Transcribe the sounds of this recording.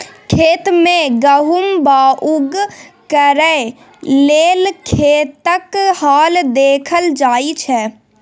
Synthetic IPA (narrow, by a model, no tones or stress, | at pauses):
kʰeːt̪mẽɡəɦumbaːʔʊɡkəɾəe | leːlkʰeːt̪əkhaːld̪eːkʰəld͡ʒaːit͡ʃʰɛ